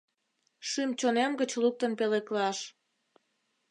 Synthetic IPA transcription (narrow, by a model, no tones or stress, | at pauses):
ʃymt͡ɕonemɡət͡ɕluk̚t̪ənpeleklɑʃ